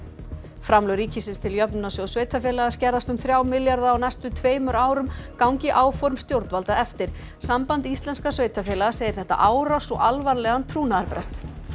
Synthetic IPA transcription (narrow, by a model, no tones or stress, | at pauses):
fɾamlœɾiːcɪsɪnst̪ʰɪljœpnʏnasʏɔsveːjt̪afjɛːlaɣascɛɾðast̪ʏmθɾjaːwmɪljaɾðaːwnɛjst̪ʏt̪ʰveːjmʏɾaːwɾʏmkawŋcɪʔaːwfɔɾmst̪jowɾt̪valt̪aʔɛft̪ɪɾ̥ | sampant̪ist̪lɛnskasveːjt̪afɛːlaɣaseːjɪ̥ɾθɛht̪a̰ʔaːwɾasɔɣalvaɾlɛɣant̪ʰɾuːnaðaɾpɾɛst̪